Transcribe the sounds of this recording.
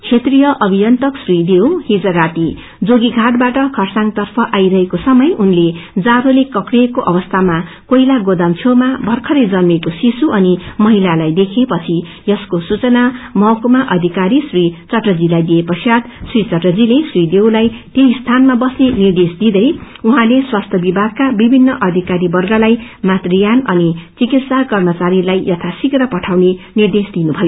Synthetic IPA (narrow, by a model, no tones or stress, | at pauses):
kt͡sʰet̪rijʌʔʌbʱijʌnt̪ʌksrid̪ewhid͡zʌɾat̪i | d͡zoɡiɡʱaʈ̚baʈʌkʰʌrsaŋt̪ʌrpʰʌʔajɾʌɦekosʌmʌjunled͡zaɾolekʌkrijekoʔʌbʌst̪ʰama | koilaɡod̪amt͡sʰomabʱʌrkʰʌɾed͡zʌnmekosisuʔʌnimʌɦilalajd̪ekʰepʌt͡sʰi | jʌskosut͡sʌnamʌkomaʔʌd̪ʱikaɾisrit͡sʌʈrʌd͡zilajd̪iepʌsjat̪srit͡sʌʈrʌd͡zilesrid̪ewlajt̪jeist̪ʰanmabʌsnenird̪esd̪id̪ʌj | uɦãleswast̪ʰʌbibʱaɡ̚kabibʱinːʌʔʌd̪ʱikaɾibʌrɡʌlajmat̪rijanʌnit͡sikit̪sakʌrmʌt͡saɾilajjʌt̪ʰasikrʌpʌʈʰawnenird̪esd̪inubʱʌjo